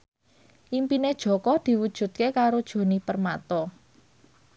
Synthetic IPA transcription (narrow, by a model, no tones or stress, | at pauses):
ʔimpined̥ʒ̥ɔ̤kɔd̪̥i̤wud̥ʒ̥ṳt̪̚kekaɾod̥ʒ̥o̤nipərmat̪ɔ